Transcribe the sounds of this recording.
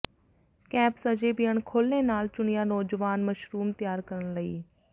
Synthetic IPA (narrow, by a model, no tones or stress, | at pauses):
kɛːpsəd͡ʒeːbɪjəɳkʰoːlːẽːnaːlt͡ʃʊɳɪjaːnɔːd͡ʒʋaːnməʃɾuːmt̪ɪjaːɾkəɾəɳləḭː